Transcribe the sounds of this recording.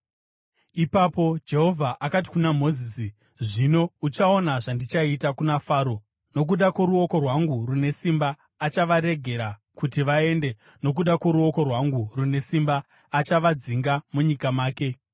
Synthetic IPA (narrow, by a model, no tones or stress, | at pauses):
ipaːpo̞d͡ʒe̞ɦo̞vʱaʔakat̬i̥kunamo̞ziːsi | ʐino̞ut͡ʃao̞naʐandit͡ʃaitakunafaːɾo | no̞k̬uɗakwoɾuo̞ko̞rwaŋɡurune̞simbaː | t͡ʃaʋaɾe̞ɡʱe̞ɾa | kutiʋae̞nde̞ | no̞k̬uɗakwoɾuo̞ko̞rwaŋɡurune̞simbaː | t͡ʃaʋad͡ziŋɡamuɲikamaːke̞